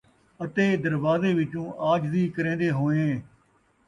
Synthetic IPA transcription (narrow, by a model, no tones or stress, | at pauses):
ət̪eːd̪əɾʋaːzeːʋɪt͡ʃũːʔaːd͡ʒziːkəɾẽːnd̪eːɦoːẽː